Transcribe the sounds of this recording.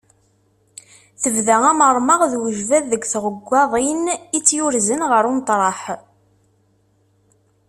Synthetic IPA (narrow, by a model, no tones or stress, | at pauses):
θəvðææməɾˤmɑʁðwəʒvæðːəɡʷθʁəɡʷːɑðˤinit͡sːjʊɾzənʁəɾunt̪ˤɾˤɑħ